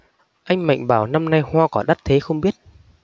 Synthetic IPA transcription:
ʔa˧jŋ̟ma̰˧˨jŋ̟ɓaː˧˩wna˧mna˧jhwaː˧kɔ˧˩ɗa˦˥t̚t̪ʰe˨˦xə˧wŋ͡mɓi˦˥ət̚

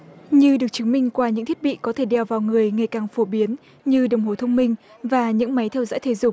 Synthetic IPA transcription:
ɲɨ˧ɗɨ˨˩ək̚t͡ɕɨ˨˦ŋmï˧ŋ̟kwaː˧ɲɨ̰˧˥ŋt̪ʰi˦˥t̚ɓḭ˧˨kɔ˨˦t̪ʰe˧˩ɗɛ˨˩wvaː˨˩wŋɨ˨˩əjŋa˨˩jkaː˨˩ŋfo˧˩˦ɓi˨˦ən | ɲɨ˧ɗə˨˩wŋ͡mho˨˩t̪ʰə˧wŋ͡mmï˧ŋ̟ | vaː˨˩ɲɨ̰˧˥ŋma˨˦jt̪ʰɛ˧wzɔ̰˧˥jt̪ʰe˨˦zʊ˨˩ŋ͡m̚

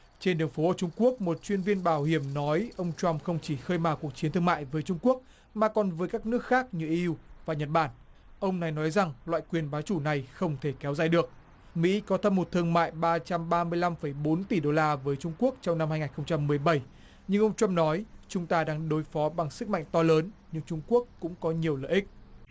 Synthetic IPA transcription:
t͡ɕe˧nɗɨ˨˩əŋfo˨˦ʔoː˧˩t͡ɕʊ˧ŋ͡mku˦˥ək̚mo˨˩t̚t͡ɕwi˧ənvi˧ənɓaː˧˩whi˧˩əmnɔ˨˦jʔə˧wŋ͡mt͡ɕwa˧mxə˧wŋ͡mt͡ɕi˧˩xəː˧jmaː˨˩ku˨˩ək̚t͡ɕi˨˦nt̪ɨ˧əŋma̰ː˧˨jvəː˨˦jt͡ɕʊ˧ŋ͡mku˦˥ək̚ | maː˨˩kɔ˨˩nvəː˨˦jkaː˦˥k̚nɨ˦˥ək̚xaː˦˥k̚ɲɨ˧˩ʔi˧wvaː˨˩ɲə˨˩t̚ɓaː˧˩n | ʔə˧wŋ͡mna˨˩jnɔ˨˦jza˨˩ŋlwa̰ː˧˨jkwi˨˩ənɓaː˨˦wt͡ɕu˧˩na˨˩jxə˧wŋ͡mt̪ʰe˧˩kɛ˨˦wzaː˧˨˩jɗɨ˨˩ək̚ | mḭ˧˥kɔ˨˦t̪ʰə˧mo˨˩t̚t̪ʰɨ˧əŋma̰ː˧˨jɓaː˧t͡ɕa˧mɓaː˧mɨ˧əjla˧mfə˧˩jɓo˨˦nt̪i˧˩ɗo˧laː˧vəː˨˦jt͡ɕʊ˧ŋ͡mku˦˥ək̚t͡ɕɔ˧wŋ͡mna˧mha˧jŋaː˨˩nxə˧wŋ͡mt͡ɕa˧mːɨ˨˩əjɓə˧˩j | ɲɨ˧ŋʔə˧wŋ͡mt͡ɕwa˧mnɔ˨˦jt͡ɕʊ˨˦ŋ͡mt̪aː˧ɗaː˧ŋɗo˨˦jfɔ˨˦ɓa˨˩ŋsɨ˦˥k̚ma̰˧˨ŋ̟t̪ɔ˧ləː˨˦nɲɨ˧ŋt͡ɕʊ˧ŋ͡mku˦˥əkːʊ̰˧˥ŋ͡mkɔ˨˦ɲi˨˩əwlə̰ː˧˨ʔï˦˥k̚

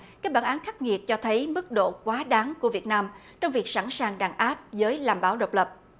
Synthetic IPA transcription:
kaː˦˥k̚ɓaː˧˩nʔaː˨˦nxa˦˥k̚ŋi˨˩ət̚t͡ɕɔ˧t̪ʰə˨˦jmɨ˦˥k̚ɗo̰˧˨kwaː˨˦ɗaː˨˦ŋku˧˩əvi˨˩ət̚naː˧m | t͡ɕɔ˧wŋ͡mvi˨˩ək̚sa̰˧˩nsaː˨˩ŋɗaː˧˩ŋʔaː˦˥p̚zəː˨˦jlaː˨˩mɓaː˧˦wɗə˨˩k͡p̚lə˨˩p̚

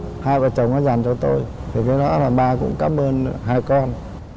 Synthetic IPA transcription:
haː˧jvaː˨˩t͡ɕə˨˩wŋ͡mʔɔ˨˦za˨˩ŋt͡ɕɔ˧t̪o˧jt̪ʰi˨˩kaː˨˦jɗɔ˨˦laː˨˩ɓaː˧kʊ̰˧˥ŋ͡mkaː˨˦˥mʔəː˧nɦaː˧jkɔ˧n

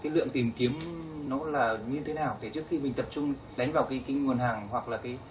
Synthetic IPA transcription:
kaː˨˦jlɨ̰˧˨əŋt̪i˨˩mki˨˦əmnɔ˨˦laː˨˩ɲɨ˧t̪ʰe˨˦naː˨˩wt̪ʰe˨˩t͡ɕɨ˦˥əkxi˧mï̟˨˩t̪ə˨˩p̚t͡ɕʊ˧ŋ͡m | ɗa˨˦jŋ̟vaː˨˩wkaː˨˦jka˨˦jŋu˨˩ənhaː˨˩ŋhwa˨˩k̚laː˨˩kaː˨˦j

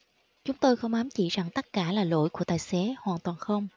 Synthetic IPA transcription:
t͡ɕʊ˨˦ŋ͡mt̪o˧jxə˧wŋ͡mʔaː˨˦mt͡ɕḭ˧˩˨za˨˩ŋt̪ə˦˥t̚kaː˧˩laː˨˩lo̰˧˥˨jku˧˩ət̪aː˨˩jsɛ˨˦hwaː˨˩nt̪waː˨˩nxə˧wŋ͡m

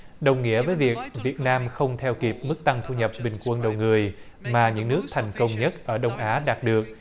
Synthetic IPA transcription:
ɗə˨˩wŋḭ˧˥əvəː˨˦jvi˨˩ək̚vi˨˩ət̚naː˧mxə˧wŋ͡mt̪ʰɛ˧wki˨˩p̚mɨ˦˥k̚t̪a˧ŋt̪ʰu˧ɲə˨˩p̚ɓï˨˩ŋ̟kwə˧nɗə˨˩wŋɨ˨˩əj | maː˨˩ɲɨ̰˧˥ŋnɨ˦˥ək̚t̪ʰa˨˩jŋ̟kə˧wŋ͡mɲə˦˥t̚ʔəː˧˩ɗə˧wŋ͡mʔaː˨˦ɗaː˨˩t̚ɗɨ˨˩ək̚

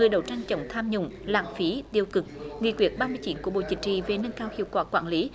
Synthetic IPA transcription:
ŋɨ˨˩əjɗə˨˧˩wt͡ɕa˧jŋ̟t͡ɕə̰˧˦wŋ͡mt̪ʰaː˧mɲʊ̰˧˨ŋ͡mla̰ː˧˨ŋfi˨˦t̪i˧əwkɨ˨˩k̚ŋḭ˧˨kwi˧˩ət̚ɓaː˧mɨ˧ət͡ɕi˨˦nku˧˩əɓo̰˧˨t͡ɕï˨˩k̟̚t͡ɕḭ˧˨ve˨˩nə˧nkaː˧whḭ˧˨wkwaː˧˩kwa̰ː˧˩nli˨˦

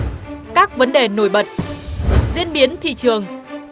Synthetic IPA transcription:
kaː˦˥k̚və˨˦nɗe˨˩no˧˩jɓə˨˩t̚ | zḭ˧˥ənɓi˨˦ənt̪ʰḭ˧˨t͡ɕɨ˨˩əŋ

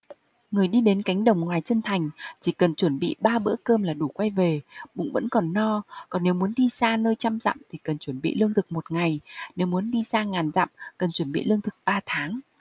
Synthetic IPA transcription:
ŋɨ˨˩əjɗi˧ɗe˨˦nka˨˦jŋ̟ɗə˨˩wŋ͡mŋwaː˨˩jt͡ɕə˧nt̪ʰa˨˩jŋ̟t͡ɕi˧˩kə˨˩nt͡ɕwə˧˩nɓḭ˧˨ɓaː˧ɓɨ̰˧˥əkəː˧mlaː˨˩ɗu˧˩kwa˧jve˨˩ɓʊ̰˧˥ŋ͡mvə̰˧˥nkɔ˨˩nːɔ˧kɔ˨˩nːe˨˦wmu˨˦ənɗi˧saː˧nəː˧jt͡ɕa˧mza̰ː˧˨mt̪ʰi˨˩kə˨˩nt͡ɕwə˧˩nɓḭ˧˨lɨ˧əŋt̪ʰɨ˨˩k̚mo˨˩t̚ŋa˨˩jne˨˦wmu˨˦ənɗi˧zaː˧ŋaː˨˩nza̰ː˧˨mkə˨˩nt͡ɕwə˧˩nɓḭ˧˨lɨ˧əŋt̪ʰɨ̥˨˩k̚ɓaː˧t̪ʰaː˨˦ŋ

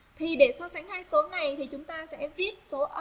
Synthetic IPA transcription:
t̪ʰi˨˩ɗe˧˩sɔ˧sa˨˧˦ŋhaː˧jso˨˦na˨˩jt̪ʰi˨˩t͡ɕʊ˨˦ŋ͡mt̪aː˧sɛ̰˧˥vi˦˥ət̚so˨˦ʔə˧

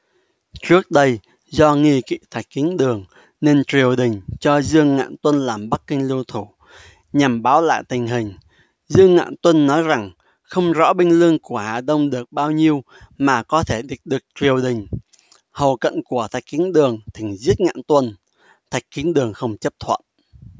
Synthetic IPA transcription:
t͡ɕɨ˦˥ək̚ɗə˧j | zɔ˧ŋi˧kḭ˧˨t̪ʰa˨˩jk̟̚kːi˨˦ənɗɨ˨˩əŋ | ne˧nt͡ɕwi˨˩əwɗï˨˩ŋ̟t͡ɕɔ˧zɨ˧əŋŋa̰ː˧˨nt̪wə˧nlaː˨˩mɓa˦˥k̚ːï˧ŋ̟li˧wt̪ʰu˧˩ | ɲa˨˩mɓaː˨˦wla̰ː˧˨jt̪ï˨˩ŋ̟ɦï˨˩ŋ̟ | zɨ˧əŋːa̰ː˧˨nt̪wə˧nːɔ˨˦jza˨˩ŋ | xə˧wŋ͡mzɔ̰˧˥ɓï˧ŋ̟lɨ˧əŋku˧˩əha̰ː˨˩ɗ̪ə˧wŋ͡mɗɨ˨˩ək̚ɓaː˧wɲi˧əw | maː˨˩kɔ˨˦t̪ʰe˧˩ɗï˨˩k̟̚ɗɨ˨˩ək̚t͡ɕwi˨˩əwɗï˨˩ŋ̟ | hə˨˩wkə̰˧˨nku˧˩ət̪ʰa˨˩jk̟̚ki˨˦ənɗɨ˨˩əŋt̪ʰi˨˩ŋ̟zi˦˥ət̚ŋa̰ː˧˨nt̪wə˧n | t̪ʰa˨˩jk̟̚ki˨˦ənɗɨ˨˩əŋxə˧wŋ͡mt͡ɕə˦˥p̚t̪ʰwə̰˧˨nʔ

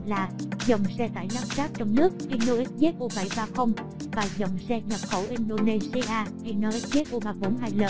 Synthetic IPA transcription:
laː˨˩zə˨˩wŋ͡msɛ˧t̪a̰ː˧˨jlaː˦˥p̚zaː˦˥t̚t͡ɕɔ˧wŋ͡mnɨ˦˥ək̚ʔi˧no˧ʔi˦˥t̚ze˦˥t̚ʔo˧va̰˧˩jvaː˧xə˧wŋ͡m | vaː˨˩zə˨˩wŋ͡msɛ˧ɲə˨˩p̚xə˧˩wʔi˧nɗo˧ne˧si˧ʔaː˧ha˧jnɔ˧ʔi˦˥t̚ze˦˥t̚ʔo˧vaː˨˩və̰˧˦nɦaː˧˩jlə̰ː˧˨

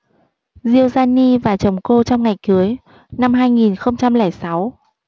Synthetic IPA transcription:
zi˧əwzaː˧ni˧vaː˨˩t͡ɕə˨˩wŋ͡mko˧t͡ɕɔ˧wŋ͡mŋa˨˩jkɨ˨˦əj | na˧mɦaː˧jŋi˨˩nxə˧wŋ͡mt͡ɕa˧mlɛː˧˩jsa˨˦w

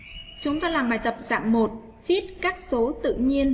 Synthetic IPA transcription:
t͡ɕʊ˨˦ŋ͡mt̪aː˧laː˨˩mɓaː˨˩jt̪ə˨˩p̚za̰ː˧˨mːo˨˩t̚ | vi˦˥ət̚kaː˦˥k̚so˨˦t̪ɨ̰˧˨ɲi˧ən

